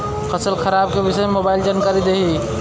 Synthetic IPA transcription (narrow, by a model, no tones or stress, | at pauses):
kɐsəlxɐɾaːb̚keʋɪsemoːbaːɪld͡ʒankaːɾid̪eːɦi